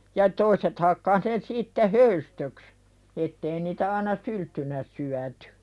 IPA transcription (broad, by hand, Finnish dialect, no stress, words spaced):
jɑ toiset hɑkːɑh ne siːtːe høystøks etːei niːtæ ɑːnɑ syltːynæ syætẙ